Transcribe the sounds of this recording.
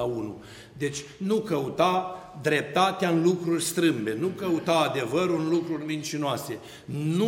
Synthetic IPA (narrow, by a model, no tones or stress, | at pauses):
aunṵ | d̪e̞t͡ʃʲnukəut̪ad̪ɾe̞p̚t̪at̪eaɨnlukɾurʲst̪ɾɨmbe̞nukəut̪aːd̪e̞vəɾɨnlukɾurʲmint͡ʃinoase̞ | nu